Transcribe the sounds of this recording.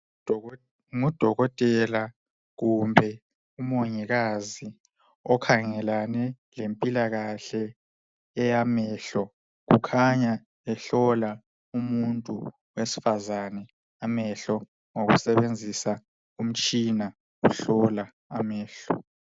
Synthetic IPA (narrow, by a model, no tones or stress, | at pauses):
ŋud̥ʱɔɣɔtʼɛla | ɣumbʱɛ | umoɲiɣazi | ɔkʰaŋɛlanɛ | lempʼilaɣaɬɛː | jamɛːɬɔ | ɣ̬ukʰaɲa | ɛɬɔla | umuntʼu | wesi̥fazanɛ | amɛɬɔ | ŋoɣṵsɛβend͡zʱisa | um̩t͡ʃʼina | uɬɔla | amɛːɬɔ̰